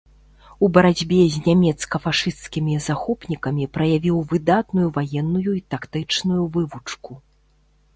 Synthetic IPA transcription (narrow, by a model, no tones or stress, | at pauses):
ubɐɾad͡zʲbʲɛzʲnʲamʲɛt̪skɐfaʂɨst̪skʲimʲizaxɔpnʲikɐmʲipɾɐjavʲiwvɨd̪at̪nujuvajɛnːujuit̪akt̪ɨt͡ʂnujuvɨvut͡ʂku